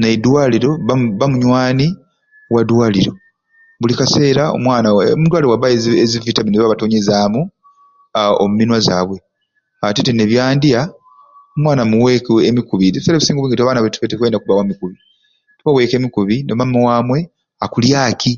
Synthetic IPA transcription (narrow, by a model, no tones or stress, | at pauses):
nadwaːliɾo̞βaβamuɲwaːni | wadwaːliɾo̞ | βulikase̞ːɾao̰mwaːnamudwaːliɾowaβaezivitaminezβaβatoːɲezaːmu | o̰muminwaza̰ːβwe̞ | atitene̞βjaːndia | omwaːnamuwekemikuβineβiseɾaβisiːŋɡoβiŋɡetaβaːnaβetu̥fetekwe̞ːndakuβawamikuβi | teβawe̞ːke̞ːmikuβineβamowaːmwe̞ | akuljaːkʰi